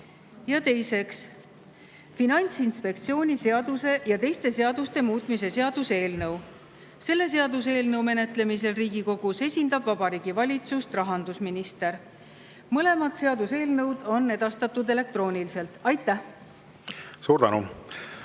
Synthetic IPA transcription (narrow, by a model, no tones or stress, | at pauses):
jɑt̪e̞jse̞ks | finɑnʲt̪sinspe̞k̚t̪sio̞ːnʲise̞ɑd̪use̞jɑt̪e̞jst̪e̞se̞ɑd̪ust̪e̞muːt̪ˑmise̞se̞ɑd̪̥use̞ːlnɤw | se̞lːe̞se̞ɑd̪us̬e̞ːlnɤwme̞ne̞t̪ˑle̞mis̬e̞lriːɡiko̞ɡ̥use̞sʲind̪̥ɑb̥vɑbɑɾiːɡ̥ivɑlʲit̪sust̪rɑɦɑnd̪usminist̪e̞ɾ | mɤle̞mɑd̪̥se̞ɑd̪̥use̞ːlnɤwd̪o̞nːe̞d̪̥ɑst̪ɑt̪ːˑud̪e̞le̞k̚t̪roːnʲilise̞lt̪ɑjt̪ːˑæh | suːɾd̪ænṵ